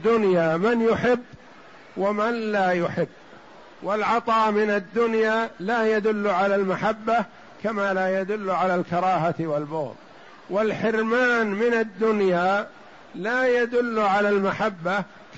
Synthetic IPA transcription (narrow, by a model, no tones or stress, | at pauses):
d̪ːʊnjaːmanjʊħɪbː | wamanlaːjʊħɪbː | wɪlʕɑt̪ˤɑːmɪnad̪ːʊnjaːlaːjad̪ʊlːʕalaːlmaħabːa | kamaːlaːjad̪ʊlːʕalaːlkɑɾˤɑːɦat̪walbʊɣð | wɪlħɪɾmaːnmɪnad̪ːʊnjaː | laːjad̪ʊlːʕalaːlmaħabːa | k